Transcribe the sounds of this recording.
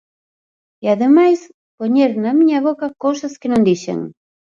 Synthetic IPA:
iaðemajs | poɲeɾnɐmiɲɐβokɐkowsɐskenõnd̪iʃḛŋ

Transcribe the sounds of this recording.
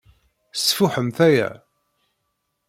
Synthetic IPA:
sfuħəmθæjæ̰

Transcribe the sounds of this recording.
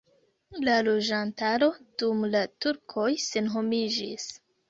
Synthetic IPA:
lalod͡ʒantaɾo̞d̥umlatuɾkʰo̞jse̞nɦo̞mid͡ʒis

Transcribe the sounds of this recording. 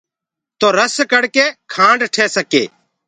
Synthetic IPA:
t̪oːɾəskəɽkeːkʰãːɳɖʈʰeːsəkḛː

